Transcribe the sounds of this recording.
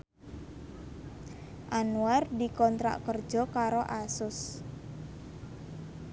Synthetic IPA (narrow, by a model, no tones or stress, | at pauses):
ʔanuardikɔnt̪ɾa̰ʔkərd̥ʒ̥ɔ̤kaɾoʔasʊs